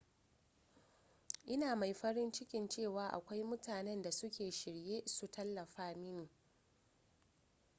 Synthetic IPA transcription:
ʔɪ˦naː˨ma˨jɸɐ˦ɾɪ˦nt͡ʃɪ˦kʲɪ˨nt͡ʃeː˦˨waː˨˦ʔa̰˨kʷa˦jmʊ˦tʰaː˨nɛ˦nda˨sʊ˦kʲeː˨ʃɪ˨ɽjeː˦su˨tʰɐ˦lːɐ˨ɸaː˦mɪ˦ni˨

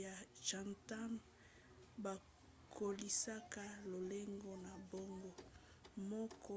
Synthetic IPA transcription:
ja˨ʃʒa˨nta˦n | ba˨ | kʰo˨li˦sa˦ka˦lo˨le˦ŋɡo˦na˨bo˦ŋɡo˦ | mɔ˦kɔ˦

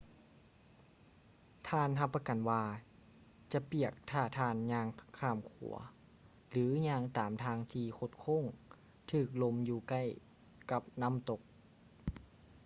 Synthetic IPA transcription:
t̪ʰaː˧˩nɦa˧pːa˧ka˨˩nwaː˧ | t͡ɕa˧˦pi˧˩ək̚t̪ʰaː˧˩t̪ʰaː˧˩nɲaː˧ŋkʰaː˧˩mkʰṵ˨˩˦ɐ | lɯː˨˦ɲaː˧ŋt̪aː˨˩˦mt̪ʰaː˧˥ŋt̪ʰiː˧kʰo˧t̪̚kʰo˥˨ŋ | t̪ʰɯː˧˩k̚lo˧mjuː˧ka˧˩j | ka˧˦p̚na˧˥˨mt̪o˧˦k̚

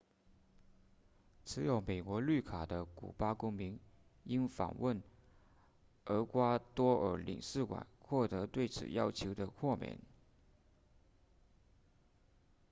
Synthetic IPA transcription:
t͡s̩ʰ˧˥jo˨˧˩ʊme˨˩ɪkwɔ˧˥ly˥˩kʰa˨˩d̪ə˦kṵ˨˩pa˥kʊ˥ŋmi˧˥ŋ | i˥nfɑ̰˨˩ŋwə˥˩n | ə˧˥kwa˥t̪wɔ˥ʔə˞˧˥lḭ˨˩ŋsɹ̩˥˩kwa̰˨˩nxwɔ˥˩t̪ɤ˧˥t̪we˥˩ɪt͡sʰɹ̩̰˨˩jɑ˥ʊt͡ɕʰjo˧˥ʊd̪ə˧kʰwɔ˥˩mjɛ̰˨˩˦n

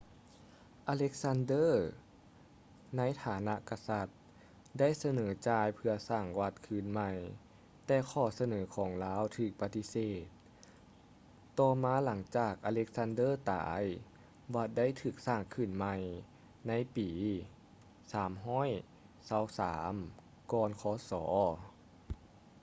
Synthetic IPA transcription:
ʔaː˧le˦˥k̚sa˧˥ndɤː˥˩˨ | na˧˥jt̪ʰaː˨˩˦na˧˥ʔka˧sa˧˦t̪̚ | da˥˩˨jsa˧nɤː˩˦t͡ɕaː˧jpʰɯ˧ɐsaː˧˩ŋwa˧t̪̚kʰɯː˧˩nma˧j | t̪ɛː˧˩kʰɔː˧˩sa˧nɤː˩˦kʰɔː˩˦ŋlaː˦˥˨wt̪ʰɯː˨˩k̚pa˧t̪i˧˥seː˨˩t̪̚ | ɔː˧maː˧˥la˩˦ŋt͡ɕaː˨˩k̚ʔa˧le˧˥k̚sa˧˥ndɤː˥˩t̪a̰ː˩˦j | wa˧˥t̪̚da˥˨jt̪ʰɯː˨˩k̚saː˧˩ŋkʰɯː˧˩nma˧j | na˧˥jpiː˩˦ | saː˩˦mɦɔː˥˨j | sa˧˥˩wsa̰ː˩˦m | kɔː˧nkʰɔː˨˦sɔː˩˦

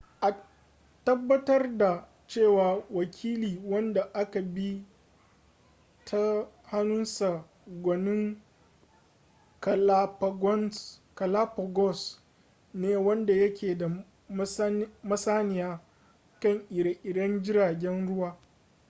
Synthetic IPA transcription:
ʔa˨ | tɐ˦bːɐ˦tɐ˦rda˨ | t͡ʃeː˦˨waː˨wɐ˨kʲʰiː˦liː˨wɐ˦nda˨ʔa˦ka˨bi˦ | tʰa˦ | ha˦nʊ˦nsa˨ | ɡʷɐ˨nɪ˦ŋ | kɐ˨la˦pɡɔ˦nkɐ˨la˦pɔ˨ɡɔ˦˨s | neː˨wɐ˦nda˨jɐ˦kʲʰeː˨da˨ | m˦mɐ˦saː˦nɪ˨jaː˦ | kɐ˦ŋʔɪ˨ɽa˨ʔɪ˨dɐ˦nd͡ʒɪ˦ɾaː˨ɡʲɛ˦nɽʊ˦waː˦

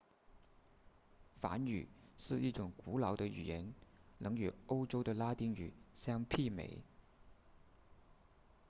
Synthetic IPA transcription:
fa̰˧˥ny̰˨˩ʂɻ̩˥˧i˥˩ʈ͡ʂʊ˨˩ŋku˧˥lɑ˨˧˥ʊd̪ə˧y̰˨˩jɛ˧˥nlɤ˧˥ŋy˨˩o˥ʊʈ͡ʂo˥ʊd̪ə˨la˥t̪i˥ŋy̰˨˩ɕjɑ˥ŋpʰi˥˩mḛ˧˥ɪ

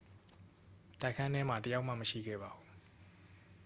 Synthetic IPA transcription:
ta˦˨kʰã˦nɛ˦m̥a˨tə˨ja˦ʊʔma̰˦˨mə˨ʃḭ˦˨ɡɛ̰˦˨ba˨ʔu˨

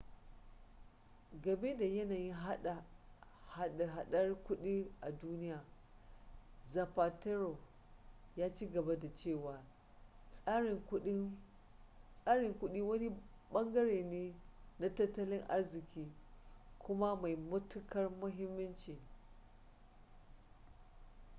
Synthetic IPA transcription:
ɡɐ˨be˦da˨jɐ˦naː˨jɪ˦ɦa˦ɗa˨ | ha˦˨ɦa˨ɗɐ˦rkʷʊ˦ɗiː˦ʔa˨duː˦nɪ˦jaː˨ | za˨paː˨te˦ɾo˨ | jaː˦t͡ʃiː˦ɡɐ˨ba˦da˨t͡ʃeː˦˨waː˨ | sʼʊ˦ | sʼaː˦ɽɪ˨ŋkʷʊ˦ɗiː˦wɐ˦ni˦ | ɓɐ˦ŋɡɐ˦ɽeː˨neː˦na˦tɐ˦tːɐ˦lɪ˦ŋʔa˦rzɪ˨kʲiː˦kʷʊ˦ma˦ma˨jmʊ˦tʊ˦kɐ˦rmʊ˦ɦɪ˦mːɐ˦nt͡ʃiː˨

